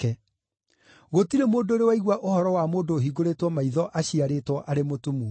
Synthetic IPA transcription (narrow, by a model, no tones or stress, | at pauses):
ɛ | ɣotiɾemoːdoɾewaiɣwaʔohɔɾɔwamoːndoɦiɡoɾetwɔmaiðɔʔaɕiaɾeːtwɔʔaɾemotumu